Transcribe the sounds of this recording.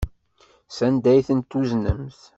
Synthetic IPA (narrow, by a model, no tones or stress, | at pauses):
sænd̪æjθənt̪ːuznə̰mθ